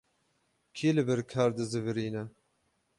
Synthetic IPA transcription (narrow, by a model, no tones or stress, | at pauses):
kʰiːlɨbɛɾkʰaːɾd̪ɨzɨvɨɾiːnɛ